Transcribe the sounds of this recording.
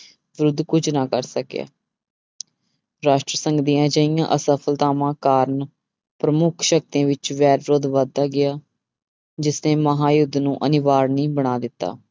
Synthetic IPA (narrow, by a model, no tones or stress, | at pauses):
ʋɾʊd̪ʱkʊd͡ʒnãːkəɾsəkja̰ː | ɾaːʃʈɾəsəŋɡd̪ijãːd͡ʒəijãːʔəsəpʰəlt̪aːmãːkaːɾn | pɾəmʊkʰʃək̚t̪ãːʋɪt͡ʃʋɛːɾɾʊd̪ʋəd̪ːaːɡɪjaː | d͡ʒɪsneːməɦãːjʊd̪ʱnũːʔənɪʋaːɾnĩːbəɽ̃aːd̪ɪt̪ːa̰ː